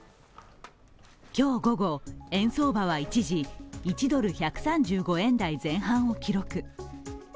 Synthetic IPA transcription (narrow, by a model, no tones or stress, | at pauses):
kʲo̞ːɡo̞ɡo̞ẽ̞ɰ̃so̞ːbaβ̞ait͡ɕiʑiit͡ɕid̪o̞ɾɯ̟çakɯ̟̥sãɲ̟d͡ʑɨːɡo̞ẽ̞nd̪aizẽ̞ɰ̃ɦãɰ̃o̞kʲiɾo̞kɯ̟